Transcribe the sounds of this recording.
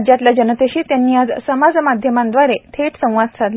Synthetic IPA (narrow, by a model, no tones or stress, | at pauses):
d͡ʑjat̪ljad͡ʑənət̪eɕiːt̪janːiːad͡zsəmad͡zmad̪ʱjəmãnd̪ʋaɾet̪ʰeʈsə̃w̃ʋad̪̚sʰat̪l